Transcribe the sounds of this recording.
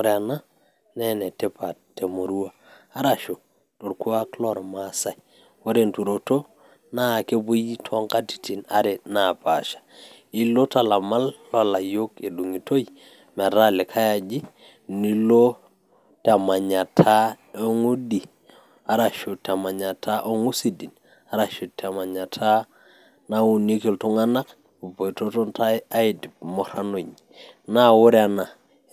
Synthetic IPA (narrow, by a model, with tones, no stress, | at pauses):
o˦ɾna˦ | nɛ˦nɛ˨te˦pa˨tːe˨mo˨ɾu˦a˦ | a˦ɾa˨ʃo˨ | to˨ɾku˦a˦klɔ˦˨ɾma˦sa˨j | wo˦ɾe˨ntu˨ɾo˨to˦ | na˦˨ke˦bu˦ji˦tʰɔ˦ŋka˦ti̥˨ti˨na˦ɾe˨na˨pa̰˨ʃḁ˨ | i˦lo˦ta˨la˨ma˦lːɔ˦la˨jo˦ke˨du˨ŋi˨to˦i˨ | mɛ˨ɾa˦le˨kʰa˦ja˨d͡ʒi˦ | ni˦lo˦ | ta˨ma˨ɲa˨tʰa˦ | o˦ŋu˦di˨ | a˦ɾa˨ʃu˨ta˨ma˨ɲa˨tʰa˦ʔo˦ŋu˦si˦di˨n | a˦ɾa˨ʃu˨ta˨ma˨ɲa˨tʰa˦ | na˦u˨ni˦ke˨lto˦ŋa˦na˦k | u˨po˨jto˦tɔ˦nta˦a˦ɪti˨mɔ˨ɾa˦no˨ɲ | na˦wʊ˦ɾa˨na˨